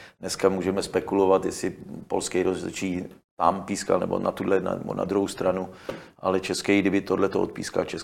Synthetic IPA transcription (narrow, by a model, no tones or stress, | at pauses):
dnɛskamuːʒɛmɛspɛkulovat̪jɛsɪpolskɛjɾozlɛ̰t͡ʃiːt̪ampiːska̰lnɛ̰bo̰na̰t̪udlɛna̰nɛ̰bo̰na̰d̪ɾuɦost̪ɾanuʔalɛt͡ʃɛskɛjɡdɪbɪt̪odlɛt̪oʔot̪̚pḭːska̰t͡ʃɛs